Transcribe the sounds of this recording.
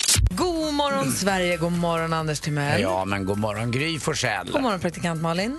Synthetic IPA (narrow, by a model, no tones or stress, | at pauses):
ɡuːmɔɾɔnssvæɾjəɡoːmɔɾɔnand̪əʂtʰɪlmɛjɑːmɛnɡuːmɔɾɔnɡɾyːfɔʂɛ̰lʊmɔɾɔnpʰɾakt̪ɪkʰant̪mɑːlɪn